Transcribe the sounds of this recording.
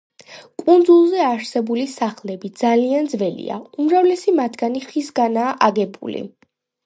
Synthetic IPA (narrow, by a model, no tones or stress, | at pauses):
kʼund̪zulˠzɛaɾsɛbulisaχlɛbid̪zaliand̪zvɛlḭa̰umɾavlɛsimat̪ʰɡaniχisɡanaːʔaɡɛbṵlḭ